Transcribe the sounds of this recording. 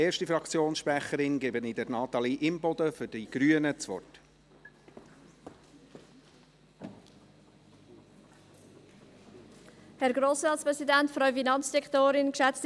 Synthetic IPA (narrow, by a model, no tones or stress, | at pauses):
eːɾʃtifɾɑkt͡sjoːnsʃpɾɛχəɾɪnɡɛbənɪd̪əɾnɑːt̪ɑliʔɪmpɔd̪əfʏd̥iɡ̥ɾyənət͡sʋɔ̰rt | hɛɾɡɾoːsɾɑːtspʁɛsidæntfɾœɥfinɑnt͡sd̥ɛktoːɾɪnkʃɛt͡st